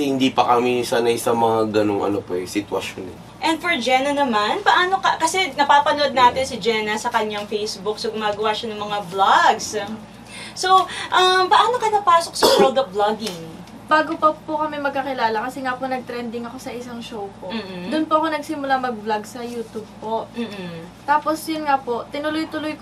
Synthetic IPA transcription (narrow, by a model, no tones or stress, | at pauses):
ɛhɪnd̪ipɐkɐmisaːnɐjsɐmɐŋaɡɐnoŋɐ̰nopɐɛsɪt̪wɐ̰ʃo̰nɛ̰ | ʔɛnd̪̚foɹd͡ʒɛnɐnɐmanpɐʔaːno̞kɐkɐsɛnɐpaːpɐno̞d̪̚naːt̪ɪnsɪd͡ʒɛnɐsɐkɐɲːaŋfejsbʊk̚soɡʊmaːɡɐwaʃɐnɐŋmɐŋablaɡs | soʔɐmpɐʔaːnokɐnɐpaːsok̚sɐbɔlˠd̪oblɐɡɪŋ | b̥aːɡopɐpokɐmɛmɐɡ̚kakɪlaːlɐkɐsɛŋaːponɐɡ̚t̪ɾɛnd̪ɪŋɐko̞sɐʔɪsaŋʃowpoːd̪ʊnpoʔɐko̞nɐɡsɪmʊlamɐɡ̚blaɡsɐjuːt̪ub̚po̞ʔ̩ːt̪aːposjʊnŋaːpo̞ʔt̪ɪnʊlojt̪ʊlʊjk